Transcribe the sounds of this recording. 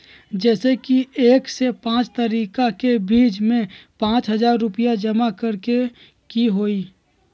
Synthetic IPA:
d͡ʒɛːsekieːksepãːt͡ʃt̪əɾiːkakebiːd͡ʒmẽpãːt͡ʃɦəzaːɾːʊpɪjad͡ʒɐmakəɾke | kiɦoːiː

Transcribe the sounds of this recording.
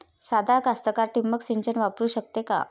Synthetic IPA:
sad̪ʱakast̪əkaɾʈimːəksiɲt͡ɕənʋapɾuːɕək̚t̪eka̰

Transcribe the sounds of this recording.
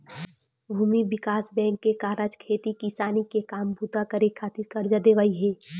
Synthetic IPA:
bʱuːmibɪkaːsbɛ̃ːŋkːekaːɾad͡ʒkʰeːt̪ikisaːnikekaːmbʱut̪akəɾekʰaːt̪ɪɾkɐɾd͡ʒad̪eːʋaiɦɛː

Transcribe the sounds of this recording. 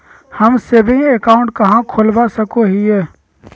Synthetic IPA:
hɐmsebʱẽekaːʊ̃ɳʈkɐɦãkʰʊlbasəkoɦiɛː

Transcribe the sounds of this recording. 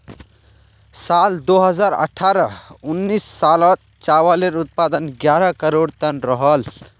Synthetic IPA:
sald̪oɦəzaːɾə̰ʈʰaːɾəʊnːisːalɔt̪ | t͡ʃawaleɾut̪̚paːd̪ənɡjaːɾəkəɾoɽt̪ənɾəɦəl

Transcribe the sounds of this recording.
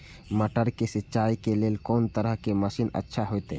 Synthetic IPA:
məʈəɾkesɪtːʃaːikeleːlkɔːnt̪əɾəɦkeməʃiːnə̰tːʃʰaɦot̪e

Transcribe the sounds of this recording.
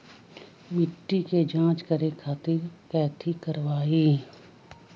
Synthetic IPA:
mɪʈːiked͡ʒãːt͡ʃkəɾekʰaːt̪iɾkɛːt̪ʰikəɾwaːiː

